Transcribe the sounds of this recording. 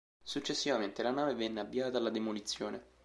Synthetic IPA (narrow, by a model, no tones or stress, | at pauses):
sut͡ʃːesːivament̪elanaːvevɛnːeabːiaːt̪alːad̪emolit̪sːjoːne